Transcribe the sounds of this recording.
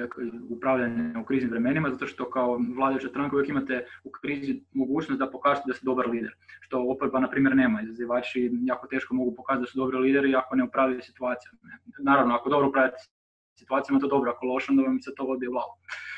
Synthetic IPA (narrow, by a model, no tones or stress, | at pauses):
iupɾaʋʎaneukɾiːznimʋɾeme̞nimazat̪o̞ʃt̪o̞kaoʋlˠaːd̪ajut͡ɕast̪ɾaŋkaujekimat̪eukɾiːzimo̞ɡuːt͡ɕnost̪d̪apo̞kaːzat̪ed̪ast̪ed̪o̞baɾliːd̪eɾʃt̪o̞opoɾbanapɾiːmjeɾne̞ːmaizaziʋaːt͡ʃijaːko̞t̪e̞ːʃkomo̞ɡupokaːzat̪d̪asud̪obɾiliːd̪eɾiako̞neupɾaːʋjat̪esi̥t̪uaːt̪sijunaːɾaʋnoakod̪o̞bɾoupɾavʎat̪ | sit̪uat̪ijamat̪od̪o̞bɾoakolˠo̞ʃeond̪aʋamset̪o̞ob̪ijevlˠaːɡo